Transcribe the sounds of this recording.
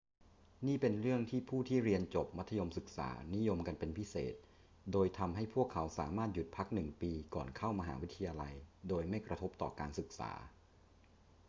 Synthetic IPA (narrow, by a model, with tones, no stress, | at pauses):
niː˥˩pe˧nɾɯ˥˩əŋt̪ʰiː˥˩pʰuː˥˩t̪ʰiː˥˩ɾi˧ənt͡ɕo˨˩p̚ma˦t̪ʰːa˧jo˧msɯ˨˩k̚sa̰ː˩˦ni˦˥jo˧mka˧npe˧npʰi˦˥sḛː˨˩t̪̚ | doː˧jt̪ʰa˧mɦa˥˩jpʰu˥˩əkʰːa˩˦wsa̰ː˩˦maː˥˩t̪̚ju˨˩t̪̚pʰa˦˥k̚nɯ˨˩ŋpiː˧kɔː˨˩nkʰa˥˩wma˧ɦa̰ː˩˦wi˦˥t̪ʰːa˧jaː˧la˧jdoː˧jma˥˩jkɾa˧t̪ʰo˦˥p̚t̪ɔ̰ː˨˩kaː˧nsɯ˨˩k̚sa̰ː˩˦